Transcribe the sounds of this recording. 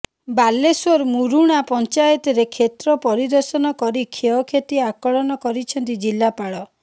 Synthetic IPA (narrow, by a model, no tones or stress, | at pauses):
baleswoɾmuɾuɽ̃apɔnt͡ʃajɔt̪ɔɾekʰet̪ɾɔpɔɾid̪ɔɾsɔnɔkɔɾikʰeɔkʰet̪iakɔɭɔnɔkɔɾit͡ʃʰɔnt̪id͡ʒilːapaɽɔ